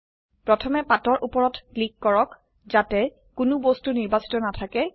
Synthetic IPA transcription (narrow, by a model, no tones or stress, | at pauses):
pɹɔtʰɔmɛpatɔɹʔupɔɹɔtklikːɔɹɔk | zatɛ | kʊnʊbɔstuniɹbasi̥tɔnatʰakɛ